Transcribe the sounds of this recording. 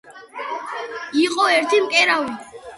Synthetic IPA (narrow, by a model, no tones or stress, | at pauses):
iqʼɔɛɾt̪ʰimkʼɛɾaw